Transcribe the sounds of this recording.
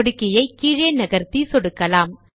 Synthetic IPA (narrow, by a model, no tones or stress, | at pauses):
ɽɯkːɪjɐɪkiːɻeːnɐɣɐɾt̪isɔɽɯkːɐlaːm